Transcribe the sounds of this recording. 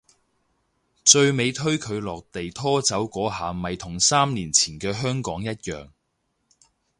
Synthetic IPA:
t͡ʃɵ˧ɥme˨˧jt̪ʰɵ˥ɥkʰɵ˨˧ɥlɔː˨k̚t̪e˨jt̪ʰɔː˥t͡sɐ˨˥wkʷɔː˨˥ɦaː˨mɐ˨jt̪ʰʊ˨˩ŋsaː˥mniː˨˩nt͡sʰiː˨˩nkɛː˧ɦœː˥ŋkɔː˨˥ŋjɐ˥t̚jœː˨˩ŋ

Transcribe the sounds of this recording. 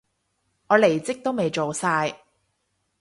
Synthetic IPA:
ŋɔː˨˧le˨˩jt͡sɪ˥k̚t̪o˥wme˨jt͡ʃo˨wsaː˧j

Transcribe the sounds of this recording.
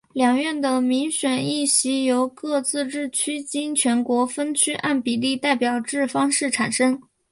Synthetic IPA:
ljɑ˨˩ŋɥɛ˥˩nd̪ə˩mi˧˥ŋɕɥɛ˨˩ni˥˩ɕi˧˥jo˧˥ʊkɤ˥˧t͡sɹ̩˥˧ʈ͡ʂɻ̩˥˩t͡ɕʰy˥t͡ɕi˥ŋt͡ɕʰɥɛ˧˥nkwɔ˧˥fə˥nt͡ɕʰy˥ʔa˥˩npi˨˩li˥˧t̪a˥˩ɪpjɑ˨˩ʊʈ͡ʂɻ̩˥˩fɑ˥ŋʂɻ̩˥˩ʈ͡ʂʰa˨˩nʂə˥ŋ

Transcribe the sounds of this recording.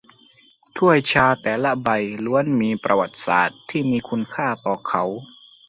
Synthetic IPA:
t̪ʰu˥˩əjt͡ɕʰaː˧t̪ɛː˨˩la˦˥ba˧jlu˧˥˦ə˨nmiː˧pɾa˧wa˨˩t̪̚sa̰ː˨˩t̪ʰːiː˥˩miː˧kʰu˧nkʰaː˥˩t̪ɔː˨˩kʰa˨˦˥w

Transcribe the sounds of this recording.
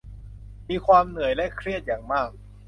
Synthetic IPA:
miː˧kʰwaː˧mnɯ˨˩˦jlɛ˦˥kʰɾi˥˩ət̪̚jaː˨˩ŋmaː˥˩k̚

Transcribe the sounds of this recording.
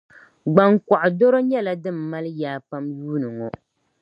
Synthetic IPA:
ɡ͡ba˨ŋka˨ʔʊ˨do˦ɾo˦ɲɛ˦la˨dɨ˦˨mː˨a˦ljaː˨pa˦mjuː˦nɨ˨ŋɔ˨

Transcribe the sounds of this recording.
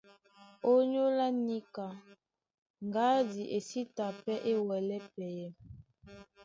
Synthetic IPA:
o˦ɲo˦la˦ni˦ka˨ | ŋɡa˦di˨ʔe˨si˦ta˨pɛ˦ʔe˦wɛ˨lɛ˦pɛ˨jɛ˦m

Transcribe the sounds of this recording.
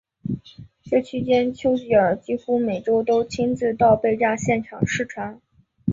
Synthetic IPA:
ʈ͡ʂə˥˧t͡ɕʰi˥t͡ɕjɛ˥nt͡ɕʰjo˥ʊt͡ɕi˧˥ə˞˨˧˩t͡ɕi˥xu˥me˨˩ɪʈ͡ʂo˥ʊt̪o˥ʊt͡ɕʰi˥nt͡sɹ̩˥˧t̪ɑ˥˧ʊpe˥˧ɪʈ͡ʂa˥˧ɕjɛ˥˩nʈ͡ʂʰɑ˨˩ŋʂɻ̩˥˩ʈ͡ʂʰwa˧˥n

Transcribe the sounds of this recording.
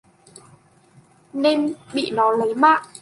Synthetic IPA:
ne˧nɓḭ˧˨nɔ˨˦lə˨˦jmaː˧˨ʔ

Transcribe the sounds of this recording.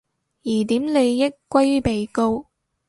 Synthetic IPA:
jiː˨˩t̪iː˨˥mle˨˧jːɪ˥kkːʷɐ˥jpe˨jko˥w

